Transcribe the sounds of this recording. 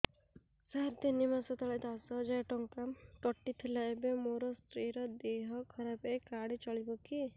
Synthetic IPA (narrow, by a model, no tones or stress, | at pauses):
saɾt̪enimasɔt̪aɭed̪asɔd͡ʒajʈɔŋkamkɔʈːit̪ʰilaebemoɾɔst̪ɾiɾɔd̪eɦɔkʰɔɾapekaɽit͡ʃɔɭibɔki